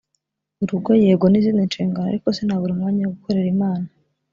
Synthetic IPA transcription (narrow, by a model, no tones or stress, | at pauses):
uɾuɡojeːɡoniziːninʃiːŋɡanoa̰ɾiko̞senhaβuɾiumŋaːɲajoɡuko̞ɾe̞ɾimaːna